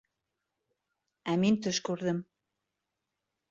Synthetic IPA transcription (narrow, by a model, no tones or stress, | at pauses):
æmint̪ɵʃkʉɾðɘm